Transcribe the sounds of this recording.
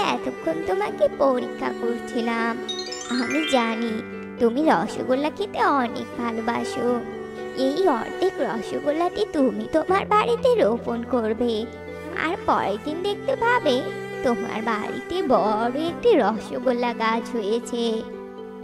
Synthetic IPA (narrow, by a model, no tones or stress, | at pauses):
ɛt̪okʰːont̪omakepoɾikʰːa̰koɾt͡ɕʰilamamid͡ʑani | t̪umiɾɔʃoɡolːakʰet̪eɔnḛk̚bʱaloba̰ʃo | ejɔ̰ɾt̪ikɾɔ̰ʃoɡolːaʈit̪umit̪omaɾbaɾit̪eɾoponkoɾbe | a̰ɾpɔ̰ɾeɡ̚d̪ind̪ek̚t̪ebʱabe | t̪oma̰ɾbaɾḭt̪ebɔɽoek̚ʈiɾɔʃoɡolːakad͡ʑʱɦojet͡ɕʰe